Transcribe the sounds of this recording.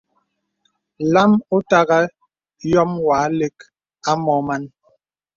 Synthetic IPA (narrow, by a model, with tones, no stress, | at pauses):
la˦mu˦ta˦ɣa˦ | jɔ˦mwaː˨˦le˦k | a˦mɔ˨˦ma˦n